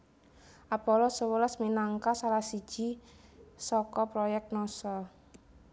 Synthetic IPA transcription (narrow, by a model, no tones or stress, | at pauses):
ʔapɔlɔsəwələsminaŋkasalahsi̥ʒ̥i | sɔkɔpɾɔjɛk̚t̪̚nɔsɔ